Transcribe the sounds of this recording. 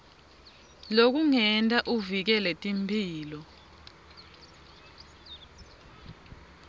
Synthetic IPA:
lok̬uŋɛntʼaʔuvik̬ɛlɛtʼimpʰʼiːlɔ

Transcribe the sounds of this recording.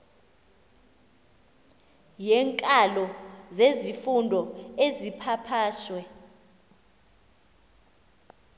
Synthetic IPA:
jɛŋkʼalɔzezifundʱɔezipʰapʰaːʃwɛ

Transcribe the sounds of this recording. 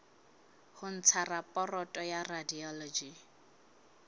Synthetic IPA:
hʊn̩t͡sʰarapʼɔrɔtʼɔjaradiɔlɔd͡ʒi

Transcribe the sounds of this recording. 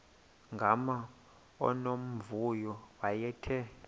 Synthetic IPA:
ŋɡʱama | ɔ̰nom̩vujɔwajɛtʰɛ

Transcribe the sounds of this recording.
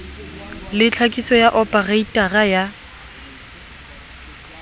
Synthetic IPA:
lɪt͡ɬʰakʼisɔjaʔɔpʼaraitʼaraja

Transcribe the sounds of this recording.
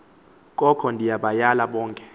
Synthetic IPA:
kʼɔkʰɔndʱijaɓajalaɓɔːŋkʼɛ̥

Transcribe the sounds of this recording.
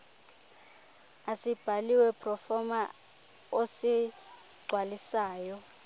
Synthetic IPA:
asib̥ʱaliwɛpʰrɔfɔma | osi | ɡ͡ǀʱwalisaːjɔ

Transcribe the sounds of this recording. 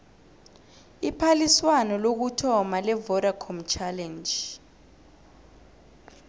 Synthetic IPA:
ipʰaliswanɔlok̬utʰɔmalɛvɔɾakʰɔmt͡ʃʰalɛnd͡ʒ

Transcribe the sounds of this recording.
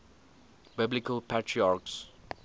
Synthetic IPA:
b̥ɪblɪkəlpʰatʰɹiaks

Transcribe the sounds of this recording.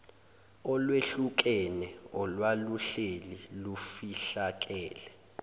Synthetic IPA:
ɔlweɬuk̬ɛnɛɔlwaluɬelilufiɬak̬ɛːlɛ

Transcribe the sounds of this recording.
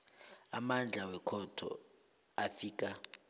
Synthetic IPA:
amand͡ɮʱawɛkʰɔtʰɔ̰ | afiːk̬ʼa

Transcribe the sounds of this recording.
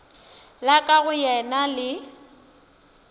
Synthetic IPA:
lakʼaɣʊjɛnalɪ

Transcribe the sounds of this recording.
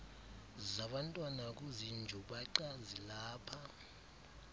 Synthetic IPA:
zaɓantʼwanak̬ʼuzind͡ʒʱuɓaǃazilaːpʰa

